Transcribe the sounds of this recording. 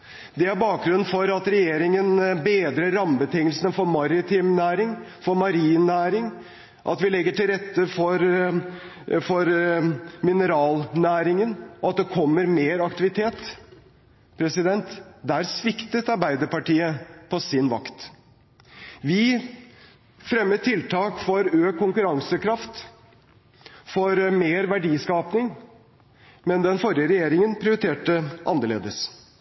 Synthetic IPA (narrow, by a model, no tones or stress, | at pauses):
d̪ɛæɾbɑːk̚ɡɾʉnn̩fɔɾɑt̪ɾɛjeːɾɪŋənbeːd̪ɾəːɑmbət̪ɪŋəlsənəfɔɾmɑɾɪt̪ʰɪːmnæːɾɪŋfɔɾmɑɾiːnæːɾɪŋ | ʔɑ̰t̪ʋɪlɛɡːəʈɪlɾɛt̪ːəfɔɾ | fɔɾ | mɪnəɾɑːlnæːɾɪŋənɔɑt̪̚d̪ɛkʰɔmːəɾmeːɾɑkt̪ɪʋɪt̪ʰeːt̪ | pʰɾɛsɪd̪ɛnt̪d̪æːɾsʋɪkt̪ət̪ɑɾbæɪd̪əpɑʈiːəpʰɔsɪnʋɑkt̪ | ʋɪ | fɾɛmːət̪ʰɪlt̪ʰɑːkfɔɾøːkʰːʊŋkʉɾɑŋsəkʰɾɑft̪ | fɔɾmeːɾʋæɖiːskɑːpnɪŋ | mɛnd̪ɛnfɔɾjəɾɛjeːɾɪŋənpʰɾɪʊɾɪt̪ʰeːʈəʔɑ̰nːəɭḛːd̪əs